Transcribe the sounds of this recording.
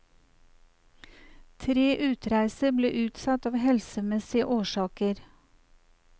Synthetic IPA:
t̪ʰɾeːʔʉːt̪ɾæɪsəblḛːʔʉːt̪sɑt̪ɑːʋhɛlsəmɛsɪəʔoːʃɑːkəɾ

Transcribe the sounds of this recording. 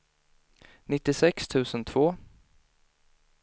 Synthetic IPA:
nɪt̪ːɪsɛkst̪ʰʉ̟ːsənt̪ʰv̥oː

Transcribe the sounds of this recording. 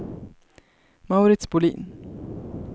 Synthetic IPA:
maʊɾɪt̪sbʊlḭːn

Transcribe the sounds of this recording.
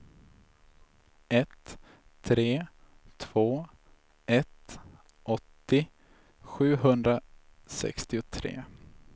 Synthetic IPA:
ɛt̪ʰː | ɾeː | t̪ʰv̥oː | ɛt̪ | ʔɔt̪ːɪ | ɧʉ̟ːɦɵnd̪ɾa | sɛ̰kst̪ɪʊt̪ʰɾḛː

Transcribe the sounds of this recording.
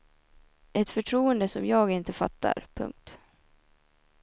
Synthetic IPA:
ʔɛt̪fœʈʰɾuːənd̪əsɔmjɑːɡɪnt̪əfa̰t̪ːa̰ɾpʰɵ̰ŋk̚t̪

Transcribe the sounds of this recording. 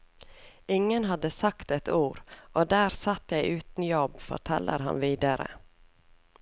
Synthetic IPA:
ɪŋːənɦɑd̪əsakt̪ɛt̪uːɾʔod̪æːɾsat̪ːjæɪʔʉːt̪njɔbfɔ̰ʈʰɛ̰lːə̰ɾɦɑ̰nviːd̪aɾə̰

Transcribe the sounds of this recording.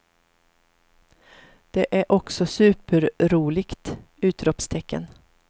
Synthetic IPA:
d̪̥ɛʔæɾʔɔksɔsʉ̟ːpəɾɾuːlɪɡt̪ | ʉ̟ːt̪ɾɔpst̪ʰɛkːə̰n

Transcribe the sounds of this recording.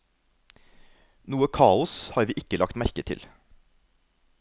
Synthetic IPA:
nuːəkʰɑːʊshɑːɾʋiːʔɪkəlɑkt̪mæɾkət̪ʰɪ̰l

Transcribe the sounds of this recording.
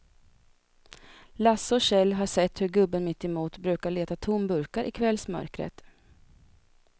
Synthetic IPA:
lasːɔɕɛlːɦaʂɛt̪ːhɵɾɡɵbːənmɪt̪ːɛmuːt̪bɾʉ̟ːkaɭeːt̪at̪ʰʊmbɵɾkaɾʔɪ̰kʰvɛlsmœ̰ɾkɾə̰t̪

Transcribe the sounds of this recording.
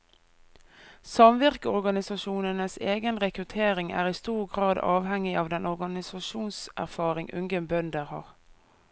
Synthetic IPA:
sɑmʋɪʁkəɔʁɡɑnɪsɑʃuːnənəseːɡənʁɛkʁʉt̪ʰeːʁɪŋæ̰ːʁiːst̪uːʁɡʁɑːd̪ɑ̰ːʋhɛŋɪʔɑːʋd̪ɛnʔɔʁɡɑnɪsɑʃuːnsʔæ̰ʁfɑːʁɪŋʔʉ̰ŋɡənbœnd̪əʁhɑ̰ːʁ

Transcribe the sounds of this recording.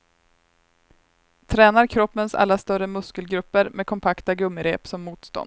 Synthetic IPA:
t̪ʰɾɛːnaɾkʰɾɔpːənsa̰lːast̪œɾəmɵskəlɡɾɵpːəɾmeːd̪kʰɔmpʰakt̪aɡɵmːəɾḛːpsɔmːuːt̪st̪ɔ̰nd̪

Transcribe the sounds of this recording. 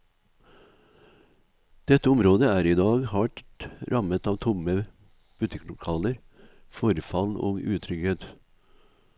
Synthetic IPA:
d̪̥ɛt̪əʊmɾoːd̪əæːɾiːd̪ɑːɡhɑʈɾʔɑmət̪ɑːʋt̪ʰʊmə | b̥ʉt̪ɪklʊkʰɑːləɾ | fɔɾfɑlnʔo̰ːɡʉːt̪ʰɾʏɡət̪

